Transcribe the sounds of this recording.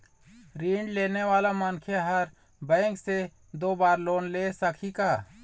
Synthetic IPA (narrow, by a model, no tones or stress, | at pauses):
ɾiːɳɖleːneʋaːlamankʰjaɦəɾ | bɛ̃ːŋkse | d̪oːbaːɾloːnlesakʰikaː